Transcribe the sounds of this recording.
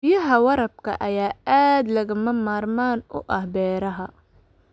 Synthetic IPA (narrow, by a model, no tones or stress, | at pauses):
jɐɦɐwɐɾɐb̚kʰɐ̰ʔɐjaːaːd̪lɐɣɐmɐmaːrmaːnʊ̰ʔɐhbɛːɾɐɦɐ